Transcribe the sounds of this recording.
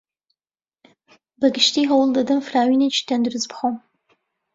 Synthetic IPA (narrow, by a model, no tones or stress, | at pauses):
bɐɡɨʃtʰiːɦɐwʊldɐdɐmfraːwiːnɐt͡ʃʰi̥tʰɐndɨrɨzpχʷom